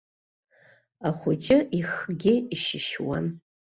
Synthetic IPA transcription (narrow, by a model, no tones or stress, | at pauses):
aχʷʊt͡ʃʼɪʔiχɡʲɪiʃɪʃwa̰n